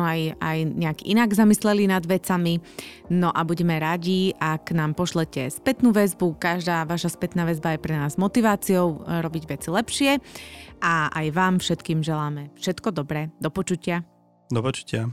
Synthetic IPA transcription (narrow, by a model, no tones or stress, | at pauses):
aja̰jɲɛakiʔinaɡzamislɛlinad̪ʋɛt͡sami | nɔʔabuɟɛmɛɾaɟiakːnaːmpɔʃlɛcɛspɛt̪nuːʋɛzbukaʒd̪aːʋaʃaspɛt̪naːʋɛzbajɛpɾɛnaːzmɔt̪iʋaːt͡siɔʊɾɔbiɟʋɛt͡silɛpʃɪɛʔaa̰jʋaːmfʃɛt̪kiːmʒɛlaːmɛfʃɛt̪kɔd̪ɔbɾɛːd̪ɔpɔt͡ʃucɪa | d̪ɔpɔt͡ʃu̥cɪa